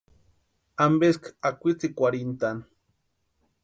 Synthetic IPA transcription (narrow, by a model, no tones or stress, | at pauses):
ambeskakʷit͡sikʷaɾint̪an